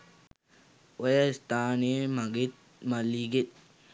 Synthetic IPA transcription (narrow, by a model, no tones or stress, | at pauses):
ojaist̪aːniemaɡet̪̚ | malːiɡet̪̚